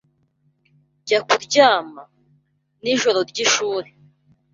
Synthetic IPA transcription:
ɟakuɾɟaːma | niʒo̞ɾo̞ɾɟiʃuːɾe

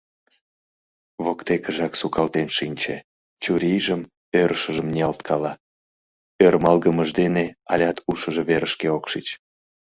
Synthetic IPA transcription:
βokt̪ekəʒɑksukɑlt̪enʃinʲt͡ɕḛ | t͡ɕuɾʲijʒəm | øɾəʃəʒəmnʲiɑlt̪kʰɑlɑ | ørmɑlɣəməʒd̪eneɑ̰lʲɑt̪uʃəʒeβeɾəʃkeokʃit͡ɕ

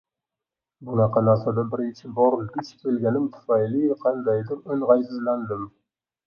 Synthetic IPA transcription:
bʊnɑqʰɑnaɾsad̪abɪɾɪnt͡ʃʰɪbɒɾlɡ̪ʲɪt͡ʃkʲʰe̞lɡʲanɪmt̪ʰʊ̥fajlɪqʰɑnd̪ajd̪ɪɾʊnʁɑjsɪzland̪ɪm

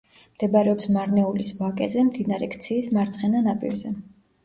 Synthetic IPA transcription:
md̪̥ɛbaɾɛɔpsmaɾnɛulisbakʼɛ̰zɛmd̪inaɾɛ̰kʰt̪sʰiːsmaɾt̪sʰχɛnanapʼḭɾzɛ

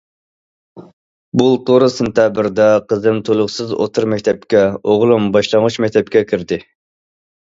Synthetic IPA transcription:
bulˠt̪ʰoɾɨsɨnt̪jɑːbɪɾd̪ɛqʰəzɨmt̪ʰolˠʊχsɨzo̰t̪ʰuɾmɛkʲt̪ʰɛp̚kʲɛoʁlˠumbɑʃlˠɑŋʁut͡ʃmɛkʲt̪ʰɛp̚kʲɛkʲʰiɾd̪ɪ

